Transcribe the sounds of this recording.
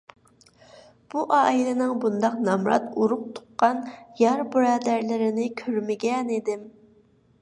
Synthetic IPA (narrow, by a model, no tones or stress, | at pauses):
b̥uʔɑːilɪnɪŋbund̪ɑqnɑmɾɑ̰t̪uɾʊq̚t̪ʰʊ̥qːɑnjɑɾbuɾɑːd̪æɾlɪɾɪnɪkʲʰøɾmɪɡʲɛnid̪ɪm